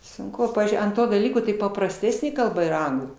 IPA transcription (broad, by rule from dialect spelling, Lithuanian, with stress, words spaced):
sʊŋˈkʊ ˈpɑːʋʲiːzʲd͡ʒʲʊɪ ɐnt ˈtoː dɐˈlʲiːkoː tɐɪ pɐprɐsʲˈtʲæːsʲnʲeː kɐlˠˈbɐ iːˈrɐ ˈɐŋɡlˠuː